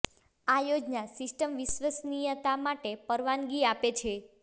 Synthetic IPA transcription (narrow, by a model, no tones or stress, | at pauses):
ajod͡ʒnasɪsʈəmʋisʋəsnijət̪amaʈepəɾʋanɡiapet͡ʃʰe